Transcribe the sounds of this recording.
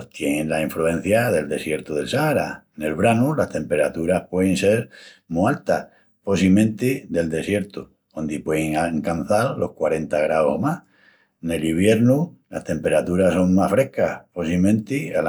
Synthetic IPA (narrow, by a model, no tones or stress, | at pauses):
t̪je̞nẽnlaiɱfɾuẽ̞n̟θjaðe̞ld̪e̞sje̞ɾt̪uðe̞lsaɾa | ne̞lβɾanulast̪e̞mpe̞ɾat̪uɾahpwe̞ðense̞ɾmualt̪a | po̞s̬imẽnt̪iðe̞ld̪e̞sje̞ɾt̪u | ond̪ipweeŋaŋkan̟θaɾlo̞hkwaɾe̞nt̪aɣ̞ɾaohma | ne̞liβ̞je̞ɾnulast̪e̞mpe̞ɾat̪uɾaso̞ŋmasfɾe̞hkahposimẽ̞nt̪ia